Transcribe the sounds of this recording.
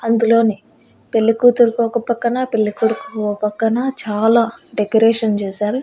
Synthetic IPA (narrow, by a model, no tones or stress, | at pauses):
ɐnd̪ulo̞ːni | pe̞lːikuːt̪uɾkɔːkɐpɐkːɐnɐpelːikuɽukɔɐpɐkːɐnɐt͡ʃaːlaːɖekoɾeːʂɐnt͡ʃeːsaːɾu